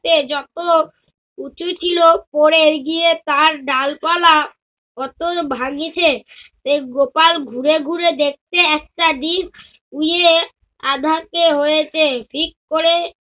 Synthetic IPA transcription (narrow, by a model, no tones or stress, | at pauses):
ed͡ʑɔt̪o | ut͡ɕʰut͡ɕʰilopoɾeɾɡiet̪aɾɖalpala | ɔt̪obʱaɡit͡ɕʰeʃeɡopalɡʱuɾeɡʱuɾed̪ek̚t̪eɛk̚ʈaɖ̪in | uje | ad̪ʱakeɦojet͡ɕʰefʰikːoɾe